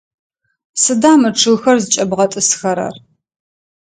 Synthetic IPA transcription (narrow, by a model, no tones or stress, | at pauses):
sɨdaːmɨʈ͡ʂʰɨɣxɐrzɨt͡ʃʼɐbʁɐtʼɨsxɐɾɐ̰r